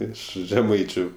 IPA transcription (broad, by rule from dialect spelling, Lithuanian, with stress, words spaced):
ˈɪʃ ʒʲɛˈmɐɪt͡ʃʲʊ